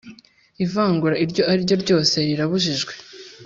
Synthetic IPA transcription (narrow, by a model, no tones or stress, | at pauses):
ivaːŋɡuɾaiɾɟo̞ʔaɾiɾɟo̞ɾɟo̞ːse̞ɾiɾaβuʒiʒɡwe̞